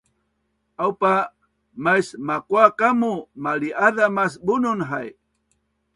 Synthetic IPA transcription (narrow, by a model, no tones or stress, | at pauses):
awpa | majsmakwakamumaliʔaðamas̬bʊnʊnɦaj